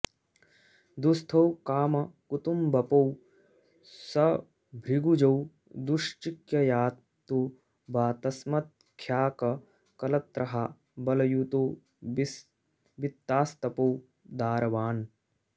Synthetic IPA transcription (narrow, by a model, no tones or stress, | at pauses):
d̪ust̪ʰɐwkaːmɐkut̪umbʱɐpɐw | sɐ | bʱɾiɡud͡ʒɐw | d̪uʂt͡ʃikjɐjaːt̪ːu | baːt̪ɐsmɐt̪̚ | kʰjaːkɐ | kɐlɐt̪ɾɐɦɐ | bɐlɐjut̪oː | ʋit̪ːaːst̪ɐpɐw | d̪aːɾɐʋaːn